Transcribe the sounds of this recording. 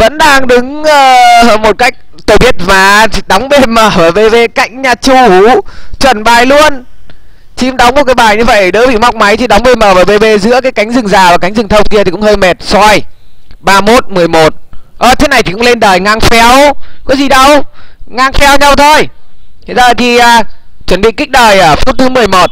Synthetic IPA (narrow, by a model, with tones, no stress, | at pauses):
və̰˧˥nɗaː˧ŋɗɨ˨˦ŋʔəː˨˧mo˨˩t̚ka˦˥jk̟̚ | t̪o˧˩jɓi˦˥ət̚vaː˨˩˧ɗɔ˨˦wŋ͡mve˧məː˧˩vaː˨˩ve˧ve˧ka̰˧˩jŋ̟ɲaː˨˩t͡ɕu˧˩hu˨˦t͡ɕwə˨˩nɓaː˨˩jlu˧ən | t͡ɕi˧˦mɗa˨˦wŋ͡mmo˨˩t̚kaː˨˦jɓaː˨˩jɲɨ˧və˧˩jjɗɨ̰˧˥ɓḭ˧˨ma˦˥wk͡p̚ma˨˦jt̪i˧˩ɗɔ˨˦wŋ͡mve˧˩məː˧˩vaː˨˩ve˧ve˧zɨ̰˧˥əkaː˨˦jka˨˦jŋ̟zɨ˨˩ŋzaː˨˩vaː˨˩ka˨˦jŋ̟zɨ˨˩ŋt̪ʰə˧wŋ͡mk̬i˧ət̪ʰi˨˩kʊ̰˧˥ŋ͡mhəː˧jmɛ˨˩t̚sɔ˧jɓaː˧mo˦˥t̚mɨ˨˩əjmo˨˩t̚ʔəː˧˩t̪ʰe˨˦na˨˩jt̪i˨kʊ̰˧˥ŋ͡mle˧nɗəː˨˩jŋaː˧ŋfɛ˧wkɔ˨˦zi˨˩ɗə˧wŋaː˧ŋfɛ˧wɲa˧wt̪ʰo˧jzəː˨˩jt̪ʰi˨˩ʔəː˨˩ | t͡ɕwə˧˩nɓḭ˧˨kï˦˥k̟̚ɗəː˨˩jʔəː˧˩fu˦˥t̚t̪ʰɨ˨˦mɨ˨˩əjmo˨˩t̚